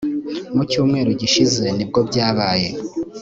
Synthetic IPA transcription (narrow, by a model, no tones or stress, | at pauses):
mucuːmŋe̞ːɾoɟiʃize̞nib̚ɡo̞bɟaːβaːje̞